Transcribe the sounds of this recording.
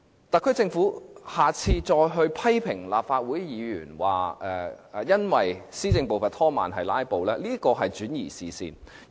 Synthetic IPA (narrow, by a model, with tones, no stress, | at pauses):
t̪ɐ˨˩kʰɵ˨˥t͡sɪ˧ŋfuː˨˥haː˨˩t͡sʰiː˧t͡sɔː˧jɦɵ˧ɥpʰɐ˥jpʰɪ˨˩ŋla̰ː˨p̚faː˧t̚wuː˨˥jjiː˨˧jyː˨˩nwa̰ː˨˩ɛː˧˨˧jɐ˥nwɐ˨jsiː˥t͡sɪ˧ŋpo˨wfɐ˨t̪ʰɔː˥ma̰ː˨nɦɐ˨jlaː˥jpo˨wlɛː˥liː˥kɔː˧ɦɐ˨jt͡ʃyː˨˥njḭː˨˩sḭː˨sḭː˧n